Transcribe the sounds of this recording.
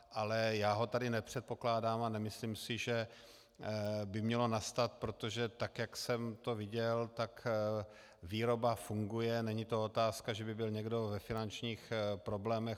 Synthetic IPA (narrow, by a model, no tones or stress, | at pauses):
ʔalɛjaːɦo̞t̪adɪnɛpr̝̥ɛt̪̚po̞klaːdaːmanɛmɪsliːmsɪʒɛ | bɪmɲɛlo̞nast̪at̪̚pɾo̞t̪o̞ʒɛt̪akjaksɛmt̪o̞vɪɟɛlt̪ak | viːɾo̞bafuŋɡujɛnɛɲɪt̪o̞ot̪aːskaʒɛbɪbɪlɲɛɡdo̞vɛfɪnant͡ʃɲiːxpɾo̞blɛːmɛx